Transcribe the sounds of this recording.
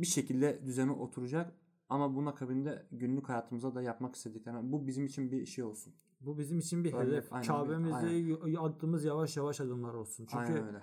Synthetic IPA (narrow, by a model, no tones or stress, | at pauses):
biʃe̞cʰilʲd̪ɛd̪yzeniʔo̞t̪ʰuɾud͡ʒak | amabunakʰabind̪ɛɟynlʲychajaːt̪ʰɯmɯzad̪ajapmaki̥st̪e̞d̪iclʲeɾnbubizimit͡ʃʰinbiʃijo̞lˠsun | bubizimit͡ʃʰinbied̪ɛfajnʰabemizaɛad̪ːɯːmɯzjavaʃjavaʃad̪ɯmlˠaɾo̞lˠsunt͡ʃʰyaɲjnɛynøjlʲɛ